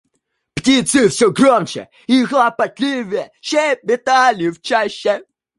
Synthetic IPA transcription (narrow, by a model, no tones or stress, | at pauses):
ptʲit̪sɨfsʲɔɡromt͡ɕɛ̰ | ixlˠɐpɐt̪ʲlʲivʲɪjɛɕʲebʲɪt̪alʲɪft͡ɕaɕːɛ